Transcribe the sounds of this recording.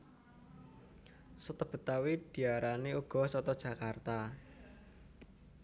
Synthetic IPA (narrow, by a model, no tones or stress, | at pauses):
sət̪əb̥ə̤t̪awid̥i̤aɾaneuɡ̥ɔ̤sɔt̪ɔd̥ʒ̥a̤kart̪a